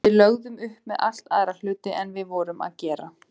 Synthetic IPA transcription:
ɪðlœɣðʏmʏhpmɛðʔal̥t̪aːðɾalʏːt̪ɪʔɛnvɪðvɔːɾʏma̰ðcɛːɾa

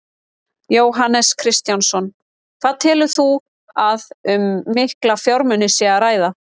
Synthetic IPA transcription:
joːwɦanːɛskʰɾɪst̪jansɔn | kʰv̥aːðt̪ʰɪːlʏθu | aðʏmːɪhklafjɔwɾmʏnɪsɛaɾaːjða

